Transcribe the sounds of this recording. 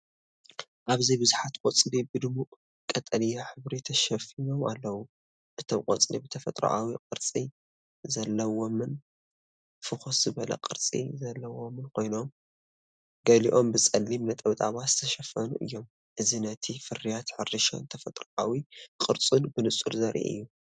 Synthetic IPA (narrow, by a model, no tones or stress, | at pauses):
ʔaβzɐjbɨzuħat̪kʼot͡sʼlibɨd̪ɨmuʔ | kʼɐt̪ʼɐlijaħɨβɾit̪ʰɐʃɐfino̞ma̰lːɐwu | ʔɨt̪ʰomkʼot͡sʼlibɨt̪ʰɐfɐt̪ʼɾṵʔawiqʼɨɾt͡sʼi | zɐlːɐwo̞mɨn | fɨxosz̥ɨβɐlɐ̰qʼɨɾt͡sʼḭzɐlːɐwo̞mɨnkʰo̞jno̞m | ɡɐliʔombɨt͡sʼɐlːimnɐt̪ʼɐβt̪ʼa̰βazɨt̪ʰɐʃɐfɐnuʔɨ̰jːo̞m | ʔɨzinɐt̪ʰifɨrːijat̪ħɨrːɨʃo̰nt̪ʰɐfɐt̪ʼɾuʔawiqʼɨɾt͡sʼunbɨnɨt͡sʼṵɾzɐɾʔḭʔɨ̰jːu